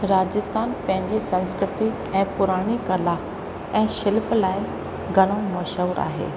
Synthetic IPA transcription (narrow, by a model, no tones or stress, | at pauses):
ɾaːd͡ʑɪst̪ʰaːnpɐ̃ɦɪ̃ɲd͡ʑisɐ̃nskɾɪt̪i | ɛ̃ːpʊɾaːɽ̃ikɐlaː | ɛ̃ːʃɪlplaːɪ | ɡʱɐɽ̃omɐʃəɾa̰ːɦḛː